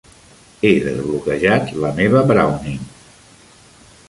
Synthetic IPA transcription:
eðə̰zβlukəʒat̪ləmeβəbɾa̰wniŋ

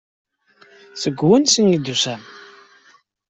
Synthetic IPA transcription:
θəɡwənsənid̪usæm

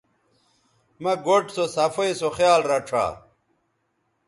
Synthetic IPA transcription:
mɐɡoʈsosɐfoisoxjaːlɾɐʈ͡ʂʰa̰ː

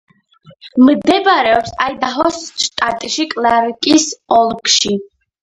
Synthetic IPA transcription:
md̪ɛbɾɛɔpsajd̪aɦɔsʃt̪ʼat̪ʼʃikʼlaɾkʼisɔlˠkʃi

